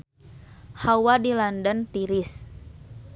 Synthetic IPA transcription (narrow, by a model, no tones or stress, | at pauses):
hawadilandənt̪iɾis